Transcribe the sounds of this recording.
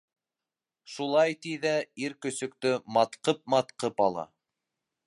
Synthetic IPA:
ʃulˠɑjt̪iðæiɾkɵ̆sɵ̆k̚t̪ɵmɑt̪qɤp̚mɑt̪qɤpɑlˠɑ̰

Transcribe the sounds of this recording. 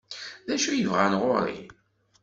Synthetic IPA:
ðæʃujəvʁanʁʊɾˤḭ

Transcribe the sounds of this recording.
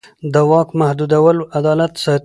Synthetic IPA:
d̪əwɑkmahd̪ud̪awəloʔad̪ɑlat̪sɑ

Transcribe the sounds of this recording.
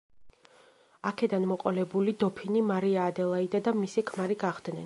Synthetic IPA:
akʰɛd̪anmɔqʼɔlɛbulid̪ɔpʰinimaɾiaːd̪ɛlˠaid̪ad̪amisikʰmaɾiɡaʁd̪nɛn

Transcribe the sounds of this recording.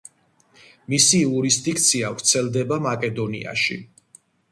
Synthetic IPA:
misiuɾist̪ʼik̚ʰt̪sʰiavɾt̪sʰɛlˠd̪ɛbamakʼɛd̪ɔnḭa̰ʃḭ

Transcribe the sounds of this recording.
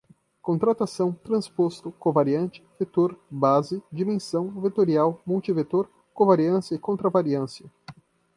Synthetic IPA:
kõnt̪ɾat̪asɐ̃w̃t̪ɾɐ̃spost̪ʊkõvaɾiɐ̃nt͡ʃɪ̥vet̪oɾbazɪd͡ʒimẽsɐ̃w̃vet̪oɾiawmult͡ʃivet̪oɾ | kõvaɾiɐ̃sjɐɪkõnt̪ɾɐvaɾiɐ̃sjɐ

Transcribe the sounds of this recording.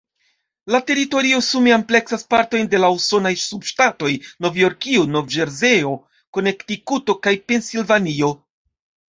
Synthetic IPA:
late̞ɾito̞ɾio̞sumiample̞ksaspaɾto̞jnde̞lauso̞najsubʃtato̞jno̞vjo̞ɾkiono̞vd͡ʒe̞ɾze̞o̞ | ko̞ne̞ktikuto̞kajpe̞nsilvanio̞

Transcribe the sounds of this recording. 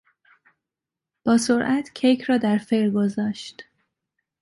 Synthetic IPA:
b̥ɒːsoɾʔæt̪ʰcʰejkʰrɒːd̪æɾfeɾɡozɒːʃt̪

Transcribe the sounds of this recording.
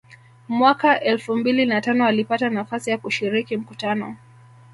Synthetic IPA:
mwakaʔɛlfumbilinatanɔalipatanafasijakuʃiɾikim̩kutanɔ̰

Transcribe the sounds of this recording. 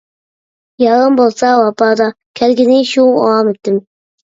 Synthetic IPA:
jɑʁəmbolˠsɑwɑpɑd̪ɑ | kʲʰælɡʲɪnɪʃuɑmɪt̪ːɪm

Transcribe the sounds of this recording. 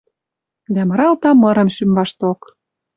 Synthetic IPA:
d̪æmɤ̆ɾɑlt̪ɑmɤ̆ɾɤ̆mʃymvɑʃt̪ok

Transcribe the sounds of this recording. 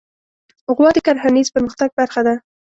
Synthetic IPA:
ʊɣwɑd̪əkaɾhanizpəɾməxt̪aɡ̚baɾxad̪a

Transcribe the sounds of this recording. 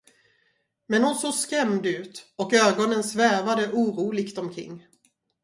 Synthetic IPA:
mɛnhʊnsoːɡskɾɛmd̪ʉ̟ːt̪ɔkøːɡɔnənsvæːvad̪əʔuːɾuːlɪɡt̪ɔmkʰɾɪ̰ŋː

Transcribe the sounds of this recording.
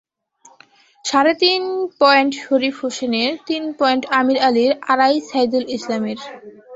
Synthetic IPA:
ʃaɾet̪inpɔeɳʈʃoɾifhoʃeneɾt̪inpɔeɳʈamiɾaliɾaɾajsajd̪ulislameɾ

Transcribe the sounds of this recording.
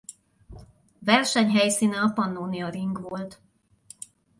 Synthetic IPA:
vɛrʃɛɲɦɛjsiːnɛɒpɒnːoːniɒɾiŋɡʋo̞lt̪

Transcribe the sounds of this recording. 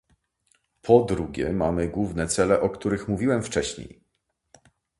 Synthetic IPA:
pʰɔd̪ɾuɡʲjɛ̰mamɘɡwuvnɛt̪sɛlɛʔɔkt̪uɾɘxmuvʲiwɛmft͡ʂɛɕɲḛj

